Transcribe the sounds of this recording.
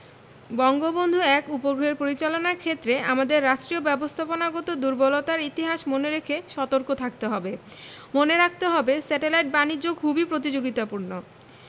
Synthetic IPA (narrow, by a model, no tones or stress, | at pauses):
bɔŋɡobond̪ʱuɛkupoɡɾoeɾpoɾit͡ɕalonaɾkʰet̪ːɾeʔamad̪eɾːaʃʈɾiobɛbost̪ʰaponaɡɔt̪od̪uɾbolot̪aɾit̪iɦaʃmoneɾekʰeʃɔt̪oɾkot̪ʰak̚t̪eɦɔbe | moneɾak̚ʰt̪eɦɔbesɛʈelajʈ̚banid͡ʑʑokʰubipɾot̪̬id͡ʑoɡit̪apuɾno